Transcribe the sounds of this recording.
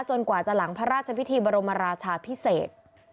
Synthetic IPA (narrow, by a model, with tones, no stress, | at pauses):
t͡ɕo˧nkwaː˨˩t͡ɕa˨˩la˩˦ŋpʰa˦˥ɾaː˥˩t̪̚t͡ɕʰa˧pʰi˦˥t̪ʰiː˧bɔː˧ɾo˧mːa˧ɾaː˧t͡ɕʰaː˧pʰi˦˥seː˨˩t̪̚